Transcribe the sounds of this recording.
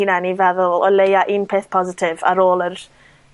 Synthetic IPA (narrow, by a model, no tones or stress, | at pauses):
inɛnivɛðʊlˠɔlejaʔinpʰeːθpʰɔzɪtʰɪva̰ɾoːlˠər